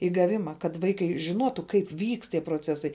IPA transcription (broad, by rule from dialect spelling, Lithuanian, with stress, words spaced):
ɪ ɡɐˈʋʲɪmɐ kɐt ˈʋɐɪkɐɪ ʒʲɪˈnuɔtʊ ˈkɐɪp ˈʋʲiːkst tʲiɛ proːˈt͡sʲæːsɐɪ